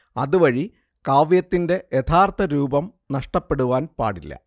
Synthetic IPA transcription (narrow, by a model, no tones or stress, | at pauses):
ɐðuʋɐɻi | kaːʋjɐt̪ːinde̞jet̪ʰaːrt̪ʰɐɾuːbɐm | nɐʂʈɐpːe̞ɽuʋaːnpa̰ːɽilːɐ̰